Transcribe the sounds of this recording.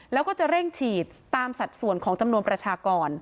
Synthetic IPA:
lɛː˦˥wkɔː˥˩t͡ɕa˨˩ɾe˥˩ŋt͡ɕʰiː˨˩t̪ːaː˧msa˨˩t̪̚su˨˩ənkʰɔː˩˦ŋt͡ɕa˧mnu˧ənpɾa˧t͡ɕʰaː˧kɔː˧n

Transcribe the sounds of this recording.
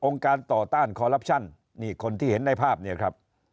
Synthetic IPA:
ʔo˧ŋkaː˧nt̪ɔː˨˩t̪aː˥˩nkʰɔː˧ɾa˦˥p̚t͡ɕʰa˥˩nː | iː˥˩kʰo˧nt̪ʰiː˥˩he˩˦nːa˧jpʰaː˥˩p̚ni˥˩ɐkʰɾa˦˥p̚

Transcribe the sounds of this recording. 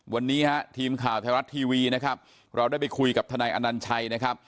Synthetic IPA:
wa˧nːiː˦˥ha˦˥t̪ʰiː˧mkʰaː˨˩wt̪ʰɛː˧ŋɾa˦˥t̪ʰːiː˧wiː˧na˦˥kʰa˦˥p̚ | ɾa˧wdaː˥˩pa˧jkʰu˧jka˨˩p̚t̪ʰa˧naː˧jʔa̰˧na˧nt͡ɕʰa˧jna˦˥kʰa˦˥p̚

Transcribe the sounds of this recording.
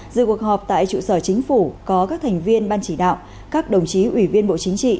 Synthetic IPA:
zɨ̰˧˨ku˨˩ək̚hɦɔ˨˩p̚t̪a̰ː˧˨jt͡ɕṵ˧˨səː˧˩t͡ɕï˨˦ŋ̟fu˧˩kɔ˨˦kaː˦˥k̚t̪ʰɛ˨˩ŋ̟vi˧ənɓaː˧nt͡ɕi˧˩ɗa̰ː˧˨w | kaː˦˥k̚ɗə˨˩wŋ͡mt͡ɕi˨˦ʔwi˧˩vi˧ənɓo̰˧˨t͡ɕï˨˦ŋ̟t͡ɕḭ˧˨

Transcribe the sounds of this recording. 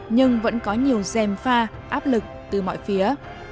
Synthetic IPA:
ɲɨ˧ŋvə̰˧˥nkɔ˨˦ɲi˨˩əwzɛ˨˩mfaː˧ | ʔaː˦˥p̚lɨ˨˩k̚t̪ɨ˨˩mɔ̰˧˨jfi˨˦ə

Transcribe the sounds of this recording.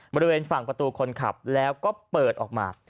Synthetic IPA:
bɔː˧ɾi˧weː˧nfa˨˩ŋpɾa˧t̪uː˧kʰo˧nkʰa̰˨˩p̚lɛː˦˥wkɔː˥˩pɤː˨˩t̪̚ʔɔː˨˩k̚ma̰ː˧

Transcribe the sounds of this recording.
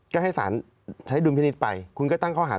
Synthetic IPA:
kɔː˥˩ɦa˥˩jsa̰ː˩˦n | t͡ɕʰa˦˥jdu˧mpʰiː˧ni˦˥t̪̚pa˧jkʰu˧nkɔː˥˩t̪a˥˩ŋkʰɔː˥˩aː˩˦

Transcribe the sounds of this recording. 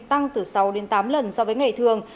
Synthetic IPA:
t̪a˧ŋt̪ɨ˨˩sa˨˦wɗe˨˦nt̪aː˨˦mlə˨˩nsɔ˧vəː˨˦jŋa˨˩jt̪ʰɨ˨˩əŋ

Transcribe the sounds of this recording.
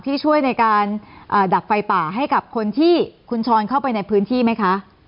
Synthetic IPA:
t̪ʰiː˥˩t͡ɕʰu˥˩əjna˧jkaː˧nʔaː˨˩da˨˩p̚fa˧jpaː˨˩ɦa˥˩jka˨˩p̚kʰo˧nt̪ʰiː˥˩kʰu˧nt͡ɕʰɔː˧nkʰa˥˩wpa˧jna˧jpʰɯː˦˥nt̪ʰiː˥˩ma˦˥jkʰa˦˥ʔ

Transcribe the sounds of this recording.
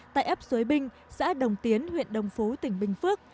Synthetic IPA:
t̪a̰ː˧˨ʔɛ˦˥p̚zu˨˦jɓï˧ŋ̟ | za̰ː˧˥ɗə˨˩wŋ͡mt̪i˨˦ənhwḭ˧˨ənɗə˨˩wŋ͡mfu˨˦t̪ï˧˩ŋ̟ɓï˨˩ŋ̟fɨ˦˥ək̚

